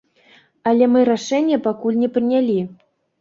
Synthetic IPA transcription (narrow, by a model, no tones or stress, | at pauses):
ɐlʲɛmɨɾaʂɛnʲːjɛpakulʲnʲɛpɾɨnʲalʲi